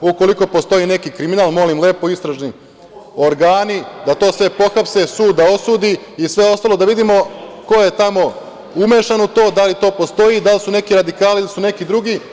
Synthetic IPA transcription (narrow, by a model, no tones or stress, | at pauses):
uko̞liko̞post̪o̞ine̞kikɾiminaːlˠmo̞limle̞ːpo̞ist̪ɾaʒni | o̞ɾɡaːnid̪at̪o̞ːsʋe̞po̞xapse̞suːd̪̚d̪ao̞sud̪iː | sʋe̞o̞st̪alo̞d̪aʋid̪imo̞ko̞je̞t̪amo̞ | umeʃanut̪o̞ːd̪alit̪o̞ːpo̞st̪o̞id̪alisune̞kiɾad̪ikaːliilisune̞kid̪ɾuɡi